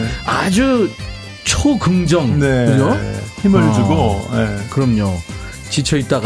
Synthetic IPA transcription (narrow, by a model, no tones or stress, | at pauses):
ad͡ʑu | t͡ɕʰokɯŋd͡ʑʌŋneɯd͡ʑoçimɯɾd͡ʑuɡonekɯɾʌmɲo | t͡ɕit͡ɕʰʌit̚t͈aɣ